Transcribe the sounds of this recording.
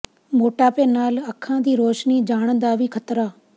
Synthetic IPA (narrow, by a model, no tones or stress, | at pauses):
moːʈaːpeːnaːləkʰãːd̪iːɾoːʃniːd͡ʒaːɽ̃ə̃nd̪aːʋiːkʰət̪ɾaː